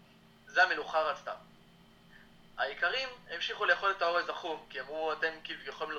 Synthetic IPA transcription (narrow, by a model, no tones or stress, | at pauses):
zeameluχaʁat͡sta̰m | haikaʁimemʃiχule̞jeχo̞let̪ao̞ʁezaχumkiamʁuate̞mkivjaχolml